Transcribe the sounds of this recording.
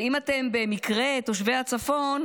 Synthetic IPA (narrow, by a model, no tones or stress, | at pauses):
imat̪e̞mbe̞mikʁe̞t̪oʃ̬vehat͡safo̞n